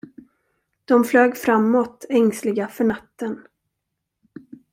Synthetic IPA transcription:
d̪̥ɔmfløːɡfɾamːɔt̪ɛŋslɪɡafœɳat̪ːən

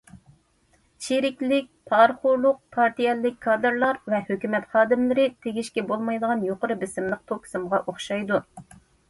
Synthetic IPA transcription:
t͡ʃʰiɾɪkʲlɪk̚ʲpʰɑɾχʊɾlˠʊq̚pʰɑɾt̪ijɛlːɪk̚ʲkʰːɑːd̪ɨɾlˠɑɾvɛhøkʲymɛt̪χɑːd̪ɪmlɪɾɪt̪ʰeɡʲiʃkʲɛbolˠmɑjd̪əʁɑnjoqəɾɨbɪsɪmlˠəq̚t̪ʰokʲʰsɨmʁɑʔoχʃɑjd̪u

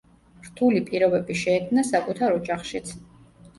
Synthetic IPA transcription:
ɾt̪ʰulipʼiɾɔbɛbiʃɛːkʰmnasakʼut̪ʰaɾɔd͡ʒʼaχʃit̪sʰ

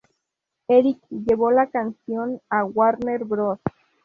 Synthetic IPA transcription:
eɾikjeβolakansjonawaɾneɾbɾos

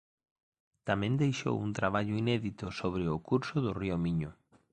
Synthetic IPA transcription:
t̪amẽnd̪ejʃo̰wunt̪ɾaβ̞aʎʊinɛðit̪ʊsoβ̞ɾɪʊkuɾsʊðʊriomiɲʊ

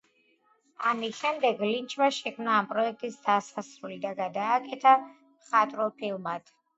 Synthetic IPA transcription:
amiʃɛmd̪ɛɡlint͡ʃʰvaʃɛkʰmnaːmpʼɾɔɛk̚ʰt̪ʼisd̪asasɾulid̪aɡad̪aːkʼɛt̪ʰa | mχat̪ʼɾɔpʰilˠmad̪̥

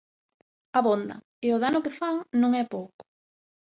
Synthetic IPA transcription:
ɐβond̪ɐ̰ | ɪʊðanʊkɪfaŋnõŋɛpowkʊ̥

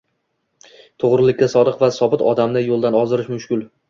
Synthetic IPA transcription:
t̪ʰoʁɾɪlɪk̪̚ʲːasɒd̪ɨqvasɒbɪt̪ʰɒd̪amnɪjolˠd̪anɒzɪɾɪʃmʊʃkʲʊlˠ

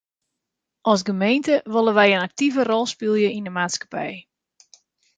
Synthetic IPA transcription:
ʔɔsɡəmejntəʋolˠəʋɛjənak̚tivərɔlˠspɪlˠjəindəmaːtskḁpɛ̰j

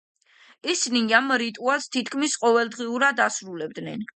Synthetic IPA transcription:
isiniamɾit̪ʼualˠst̪ʰit̪ʰkʰmisqʼɔvɛlˠd̪ʁiuɾad̪asɾulɛb̚d̪nɛn

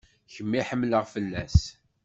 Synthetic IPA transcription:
çəmːiħəmːləʁfəlːæs

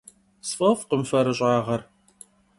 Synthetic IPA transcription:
sfɐfqəmfɐɾɨɕʼaːʁɐr

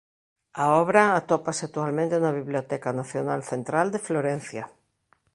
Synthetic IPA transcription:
aɔβɾaat̪opaseak̚t̪ualmẽnt̪enaβ̞iβliot̪ɛkanaθjonalθẽnt̪ɾald̪efloɾẽn̟θja

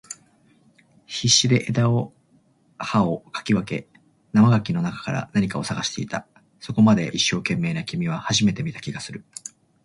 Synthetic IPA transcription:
çiɕːid̪e̞ʔed̪ao | haokḁkʲiβake̞̰ | namaɡakʲino̞nakḁkaɾa̰naɲ̟ʲikao̞saɡaɕi̥t̪e̞it̪a | so̞ko̞mad̪e̞ʔiɕːo̞ːkẽ̞mːe̞ːnakʲimʲiβ̞ahaʑime̞t̪e̞mʲit̪ḁkʲiɡasɨɾɯ̟

